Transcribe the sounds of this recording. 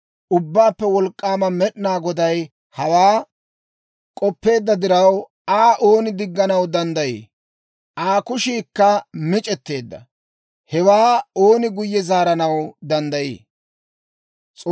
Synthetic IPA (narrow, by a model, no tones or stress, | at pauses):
ʔʊbːaːpːɛwɔlkʼːaːmɐmɛɗnaːɡɔd̪ɐj | hɐwaː | kʼɔpːe̞ːd̪ːɐd̪ɪɾɐw | aːʔo̞ːnɪd̪ɪɡːɐnɐwd̪ɐnd̪ɐjḛː | ʔaːkʊʃiːkːɐmɪt͡ʃʼɛt̪ːe̞ːd̪ːɐ̰ | hɛwaːo̞ːnɪɡʊjːɛzaːɾɐnɐwd̪ɐnd̪ɐjḛː | t͡sʼː